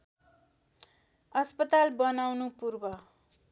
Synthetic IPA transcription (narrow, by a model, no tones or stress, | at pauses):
ʌspʌt̪albʌnawnupurbʌ